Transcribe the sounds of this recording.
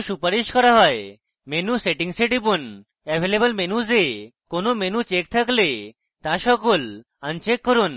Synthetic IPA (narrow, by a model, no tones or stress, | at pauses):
ʃupaɾiʃkɔɾaɦɔe | menuseʈiŋseʈipon | ɛbʱelebolmenuzekonomenut͡ɕek̚t̪ʰakle | t̪aʃɔkol | ant͡ʃekːɔɾon